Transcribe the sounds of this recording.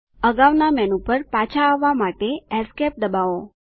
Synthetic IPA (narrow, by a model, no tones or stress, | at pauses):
əɡaʋnamɛnupəɾpat͡ʃʰaːʋːamaʈeɛɾskɛp̚d̪əbao